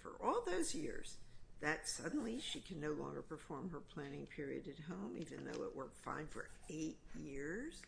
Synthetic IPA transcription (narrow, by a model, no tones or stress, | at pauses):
fə̰˞ʔɔlˠðoʊzjɪ̰ɹz̥ðɨtsʌdⁿn̩liʃikʰɨ̃nːoʊlɔ̰̃ŋɡə̰˞pʰə˞fɔɹmə˞pʰl̥æñɪ̃ŋpʰɪɹiɨ̰ɾɨt̚ɦõʊ̃mivɨ̰̃nðo̰ʊɪ̰ʔwə̰˞k̚fã̰ɪ̃nfə̰˞eɪt̚jɪɹz̥